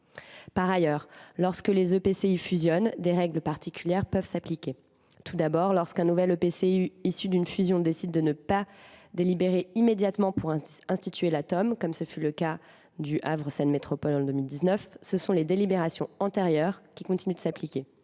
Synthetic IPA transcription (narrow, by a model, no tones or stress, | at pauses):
paʁajœːʁlɔʁskəlezøpeseyfyzjɔnd̪eʁɛɡlpaʁt̪ikʲyljɛʁpœvsaplikʲe | t̪ʰud̪abɔʁlɔʁskɛ̃nuvɛlopeseyisyd̪ynfyzjɔ̃d̪esid̪ːənəpad̪elibeʁeimed̪jat̪mɑ̃puʁɛ̃st̪it̪ʰɥelat̪ɔmkɔmsəfyləka | d̪yʔavʁəsɛnmet̪χɔpɔlɑ̃d̪ømild̪iznœfsəsɔ̃led̪elibeʁasjɔ̃ɑ̃t̪eʁjœʁkʲikɔ̃t̪inyd̪əsaplikʲe